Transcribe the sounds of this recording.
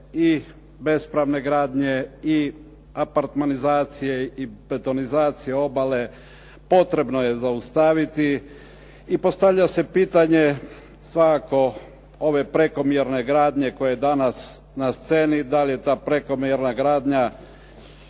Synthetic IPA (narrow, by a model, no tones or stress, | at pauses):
i | be̞spɾaʋne̞ɡɾaːd̪ɲe̞i | apaɾt̪manizaːt̪sije̞ipet̪o̞nizaːt̪sijeo̞bale̞ | po̞t̪ɾe̞bno̞je̞zaust̪aʋit̪iː | po̞st̪aʋʎase̞piːt̪aɲe̞ | sʋakako̞ | o̞ʋe̞pɾe̞ko̞mjeɾne̞ɡɾaːd̪ɲe̞ko̞jeed̪anas | nast̪se̞ːnid̪alije̞t̪aːpɾeko̞mjeɾnaɡɾaːd̪ɲa